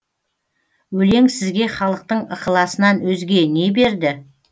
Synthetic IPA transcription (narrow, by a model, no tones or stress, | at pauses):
wɵle̞ŋsɪzɡʲe̞χɑlˠəq̚t̪əɴəqəlˠɑsənɑnwɵzɡʲe̞ne̞be̞ɾd̪ɪ